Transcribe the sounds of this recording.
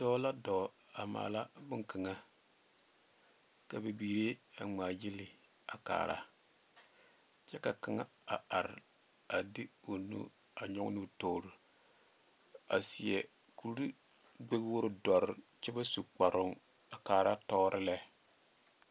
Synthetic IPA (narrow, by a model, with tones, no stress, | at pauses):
dɔː˦la˦dɔ˨ | a˨ma̰ː˨la˦bɨ˦ŋka˨ŋa˦ | ka˨be˨biː˨ɾe˦a˨ŋ͡maː˨jɪ˦lɪ˨ | a˨ka̰ː˨ɾa̰˦ | t͡ʃɛ˦ka˨ka˨ŋa˦a˨ʔa˨ɾɪ˨ | a˨dɪ˦o˨nṵ˦ | a˨ɲɔ˦ŋ˦nu˦to˨ɾu˨ | a̰˨sɪ˨ɛ̰˨ | ku˨˦ɾi˦ | ɡ͡be˦bwo˦ɾɨ˦dɔ˨ɾɪ˨ | t͡ʃɛ˦ba˦su˨k͡pa˨ɾʊ˦˨ŋ | a˨kaː˨ɾa˦tɔː˦ɾʔɪ˦lɛ˦